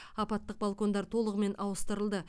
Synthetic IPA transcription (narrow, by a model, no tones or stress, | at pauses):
ɑpɑt̪ːəq̚balˠko̞nd̪ɑɾt̪ʰo̞lˠəʁəme̞nʔɑwəst̪əɾəlˠd̪ə